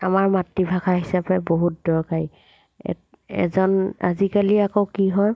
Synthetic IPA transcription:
amaɹmatːibʱakʰaɦisapɛboɦut̚dɔɹkaj | ɛ̰ | ɛ̰zɔna̰zikaliakowkiɦɔj

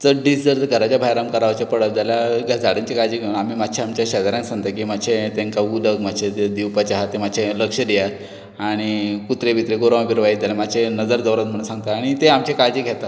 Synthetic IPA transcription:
t͡səɖid͡zəɾt̪ɡʱəɾat͡ɕjabʱajɾamkəɾaʋat͡ɕjapəɽət̪̚d͡zalaɡʱad͡zaɽəɲt͡ɕekajd͡ʑiɡʱeunamimat̪ːɕʰeamt͡ɕjaɕad̪aɾãŋksãɡt̪akimat͡ɕʰẽt̪ẽŋkaud̪əɡmaɕʰed̪iwpat͡ɕaɦat̪ːemaɕʰẽləkʂəd̪ijat̪ | aɽ̃ikut̪ɾebʱit̪ɾeɡoɾãbiɾʋajd̪elamat͡ɕʰenəd͡zəɾd͡z̪əwɾat̪̚m̤əɽsãŋɡt̪aːɽ̃it̪eamt͡ɕekajd͡ʑiɡʱet̪a

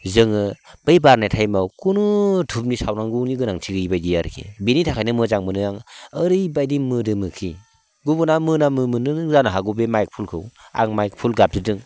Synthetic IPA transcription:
zɯŋɯb̥ajbaɾnajtʰajmawkunutʰup̚nisawnaŋɡuniɡɯnaŋtʰiɡɯjbajdijaɾkʰḛbenitʰakʰajnɯmɯzaŋmɯnɯjaŋəɾɯjbajdimɯdɯmɯkʰi | ɡubunamɯnamɯmɯnɯɯŋzanɯɦaɡubemajk̚pʰulkʰɯwa̰ŋmajk̚pʰulɡap̚zɯdɯŋ

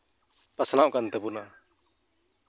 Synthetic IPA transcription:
pasnaʔkant̪ɛbuna

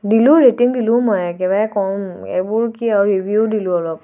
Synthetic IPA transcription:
dilʊ̃ɹetiŋdilʊ̃mɔjkɛbajkɔmḛbʊɹkiaɹɹibʱjudilʊ̃ɔlɔp

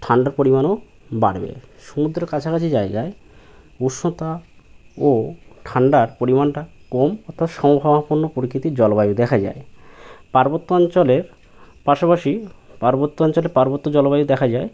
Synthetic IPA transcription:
ʈʰaɳɖaɾpoɾimano | baɽbḛʃumud̪ɾeɾkat͡ɕʰakat͡ɕʰid͡ʑaed͡ʑae | uʃot̪a | oʈʰaɳɖaɾpoɾimanʈakomɔt̪ʰːat̪ʃɔmobʱabapoɾnopoɾikɾit̪id͡ʑɔlobajud̪ɛkʰad͡ʑa̰epaɾbot̪ːoɔnt͡ɕoleɾ | paʃapaʃipaɾbot̪ːoɔnt͡ɕoleɾpaɾbot̪ːod͡ʑɔlobajud̪ɛkʰad͡ʑae

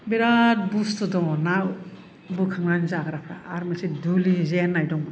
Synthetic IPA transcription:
beɾat̚bustɔdɔnaw | bukʰaŋɾanzaɡaɾakʰɾa̰ːɾmesidulizenːajdɔŋb

